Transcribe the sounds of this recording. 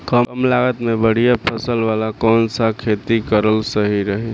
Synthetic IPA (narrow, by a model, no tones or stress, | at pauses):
kəmlaɡət̪mebəɽ̤ijapʰəsəlʋalakɔːnsakʰet̪ikəɾəlsəɦiɾəɦi